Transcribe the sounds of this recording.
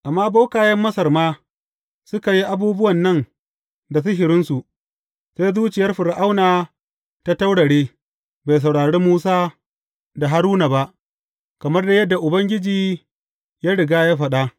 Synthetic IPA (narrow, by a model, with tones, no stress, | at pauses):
ʔa˨mːaː˦ba˦kaː˨jɐ˦mːɐ˦sɐ˨rmaː˦ | sʊ˦ka˨ji˦ʔa˦buː˦bʊ˦wɐ˨nːɐ˦n | da˨s̬ʊ˦ɦɪ˨ɾɪ˦nsu˨ʔ | seː˦jzuː˦t͡ʃɪ˨jɐ˦rɸɪ˨ɾɪ˨ʔa˦wnaː˨ | ta˦ta˦wɽɐ˨ɽeː˦ | ba˨js̬ɐ˨wɽaː˨ɽeː˦muː˦saː˦ | da˨ɦa˦ɾuː˦na˨ba˦ʔ | kɐ˨mɐ˦rda˨jɐ˦dːa˨ʔʊ˨bɐ˦ŋɡʲɪ˦d͡ʒiː˨ | jaː˦ɽɪ˨ɡaː˦jaː˦ɸɐ˦ɗa˦ʔ